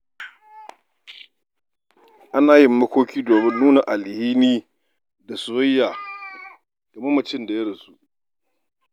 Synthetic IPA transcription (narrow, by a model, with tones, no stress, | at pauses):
ʔa˦naː˨jɪ˨mːɐ˦kʷoː˦kʲiː˦doː˨mɪ˦nːuː˦na˨ʔa˨lhiː˦niː˦ | da˨sʊ˨wɐ˦jːaː˨ | ɡ̥a˨mɐ˦mɐ˨t͡ʃɪ˦nda˨jɐ˦ɽɐ˨su˦ʔ